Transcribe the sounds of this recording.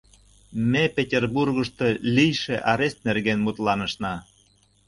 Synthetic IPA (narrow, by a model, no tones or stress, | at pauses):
mepʲetʲerburɣəʃt̪ɤ̽lʲijʃeʔɑɾest̪̚nerɣenmut̪lɑnə̆ʃnɑ